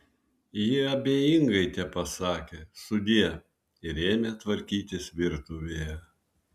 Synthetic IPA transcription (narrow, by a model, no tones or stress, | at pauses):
jɪɐbʲeːjɪŋɡɐɪt̪ʲɛpɐsɑːkʲeːsʊd̪ʲiɛ | ɪɾeːmʲeːt̪ʋɐɾʲkʲiːt̪ʲɪsʋʲɪɾt̪ʊʋʲeːjɛ